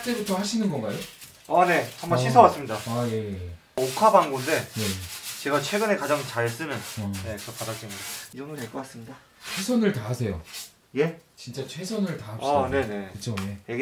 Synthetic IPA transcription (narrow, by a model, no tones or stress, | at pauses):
t͡ɕ͈eɾot͈ohaɕʰinɯnɡʌnɡajo | ane̞hambʌnɕʰisʰʌwas͈ɯmɲidaaje̞ | okʰabaŋɡunde̞je̞t͡ɕe̞ɡat͡ɕʰwe̞ɡɯne̞kad͡ʑaŋt͡ɕaɭs͈ɯnɯnʌne̞kɯʌpadat͡ɕ͈inidaeɭk͈ʌk͈as͈ɯmɲida | t͡ɕʰwe̞sʰʌnɯɭtaɦasʰe̞jo̰ | je̞t͡ɕint͡ɕ͈at͡ɕʰwe̞sʰʌnɯɭtaɦaiane̞ne̞kɯt͡ɕʰoje̞jeɡ